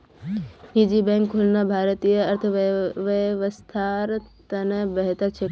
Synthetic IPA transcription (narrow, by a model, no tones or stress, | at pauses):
nid͡ʒibɛ̃ŋkʰːulnabʱaːɾət̪ijəɐɾt̪ʰəʋəʋəst̪ʰaɾt̪ɐnəbəɦt̪əɾt͡ʃʰe